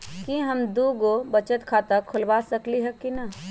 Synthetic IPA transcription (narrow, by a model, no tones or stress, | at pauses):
kiɦəmd̪uɡobət͡ʃət̪kʰat̪akʰʊlʋasəkliɦɛkinə